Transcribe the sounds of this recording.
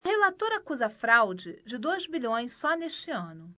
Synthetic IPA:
ɐhelat̪oɾɐkuzɐfɾawd͡ʒɪd͡ʒɪd̪ojzbiʎʲõj̃sːɔneʃt͡ʃɪɐ̃nʊ

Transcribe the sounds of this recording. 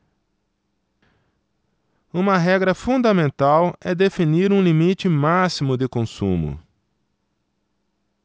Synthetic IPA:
ũmɐɦɛɡɾɐfũd̪ɐmẽnt̪awɛd̪efiniɾũlimit͡ʃɪmasimʊd̪ɪkõsṵ̃mʊ̰

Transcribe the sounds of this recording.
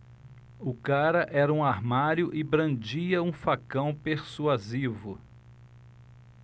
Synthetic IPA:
ʊkaɾɐʔɛɾɐũaɾmaɾjʊʔɪbɾɐ̃d͡ʒiɐũfakɐ̃w̃peɾsuazivʊ

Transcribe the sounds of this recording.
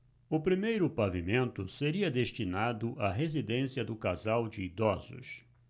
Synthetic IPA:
ʊpɾimejɾʊpavimẽnt̪ʊseɾiɐd̪eʃt͡ʃinad̪ʊʔaɦezid̪ẽsiɐd̪ʊkazawd͡ʒɪid̪ɔzʊ̰s

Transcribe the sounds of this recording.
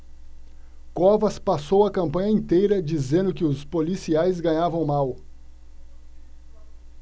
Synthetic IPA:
kɔvɐspasowɐkɐ̃mpɐ̃ɲɐẽnt̪ejɾɐd͡ʒizẽnd̪ʊkɪʊspolisiajzɡɐ̃ɲavɐ̃w̃maw

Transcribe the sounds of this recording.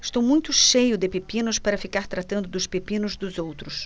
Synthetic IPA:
ɪ̥ʃt̪owmũj̃t̪ʊʃejʊd̪ɪpepĩnʊspaɾɐfikaɾt̪ɾat̪ɐ̃nd̪ʊd̪ʊspepĩnʊzd̪ʊzowt̪ɾʊs

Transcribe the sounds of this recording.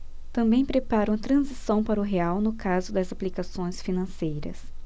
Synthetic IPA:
t̪ɐ̃mbẽj̃pɾepaɾɐ̃w̃t̪ɾɐ̃zisɐ̃w̃paɾɐʊɦeawnʊkazʊd̪ɐzaplikasõj̃sfinɐ̃sejɾɐ̰s

